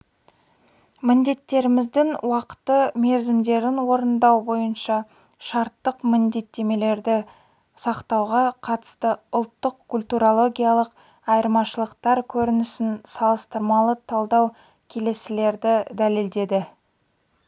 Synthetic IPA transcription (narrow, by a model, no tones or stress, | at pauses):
mɪnd̪e̞t̪ːe̞ɾɪmɪzd̪ɪŋwɑqə̥t̪ːəme̞ɾzɪmd̪e̞ɾɪnwo̞ɾənd̪ɑwbo̞jənʃɑ | ʃɑɾt̪ːəqmɪnd̪e̞t̪ːe̞me̞le̞ɾd̪ɪ | sɑqt̪ɑwʁɑqʰɑt̪ə̥st̪əʊlˠt̪ːəqkʰulʲt̪uɾolˠo̞ɡʲijalˠəq | ɑjəɾmɑʃəlˠəqt̪ɑɾkʲʰɵɾɪnɪsɪnsɑlˠəst̪əɾmɑlˠət̪ʰɑlˠd̪ɑw | kʲʰe̞le̞sɪle̞ɾd̪ɪd̪æleld̪e̞d̪ɪ